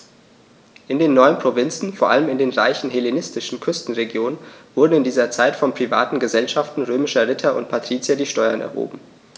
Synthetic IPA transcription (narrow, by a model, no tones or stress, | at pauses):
ʔɪndeːnːɔʏənpʁ̥ovɪnt͡sn̩foːɐʔaləmɪndeːnʁaɪçn̩ɦelenɪstɪʃn̩kʰʏstn̩ʁeɡjoːnənv̥ʊɐdn̩ɪndiːzɐt͡saɪtfɔnpʁ̥iva̰ːtn̩ɡəzɛlʃaftn̩ʁøːmɪʃɐʁɪtʰɐʊ̰ntpʰatʁ̥iːt͡sjadiːʃtɔʏɐnʔɛ̰ɐho̰ːbm̩